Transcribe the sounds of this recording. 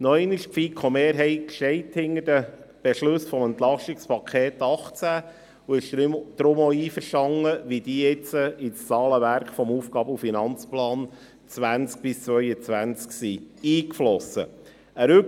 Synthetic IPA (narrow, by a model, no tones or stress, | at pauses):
nɔɛnəʃfikʰɔmeːɾɦɛɪkʃtɛɪthɪnədəb̥eʃlʉsfɔmɛnt̪lɑʃtɪkspʰɑkʰeːt̪ɑχt͡sæ | uɪʃd̪d̥̪ɾʊmoiːfəɾʃtɑŋːəʋid̥̪iːɪt͡səʔɪt͡st͡sɑːləʋæɾkfɔmuːfɡ̥ɑːbəufinɑnt͡splɑːn | t͡sʋænt͡sk̚b̥ɪst͡sʋœʏət͡sʋænt͡sksiiːkflɔsə̰ | əɾʏ